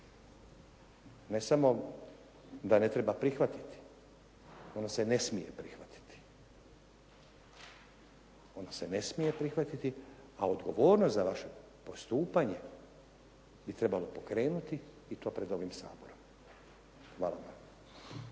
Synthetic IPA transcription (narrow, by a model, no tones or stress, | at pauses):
ne̞samo̞ | d̪ane̞t̪ɾe̞bapɾixʋat̪i̥t̪i̥ | o̞nasene̞smije̞pɾixʋat̪i̥t̪i̥ | o̞nasene̞smijepɾixʋat̪it̪i | ao̞d̪ɡo̞ʋoːɾnost̪zaʋaʃe̞ | po̞st̪uːpaɲe̞ | bit̪ɾe̞balo̞po̞kɾe̞ːnut̪iː | t̪o̞ːpɾe̞d̪o̞ʋimsa̰ːbo̞ɾo̞m | xʋaːlaʋa